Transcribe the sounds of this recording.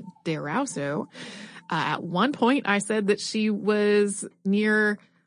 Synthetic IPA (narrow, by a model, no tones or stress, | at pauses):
ð̥ə˞a̰ʊsoʊʔɨ̰t̚wʌ̃npʰɔ̃ɪ̃nta̰ɪsɛd̪̚ðɨtʃiwʌznɪɹ